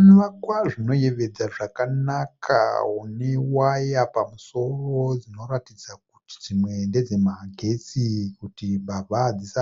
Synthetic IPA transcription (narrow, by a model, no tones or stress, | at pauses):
nʋakwaʐino̞je̞ʋe̞d͡zaʐakanakʰa̰ɦune̞wajapamuso̞ro̞d͡zino̞ɾatid͡zak̚uti̥d͡zimwe̞nde̞d͡ze̞maɡʱe̞sikutibabʱad͡zisa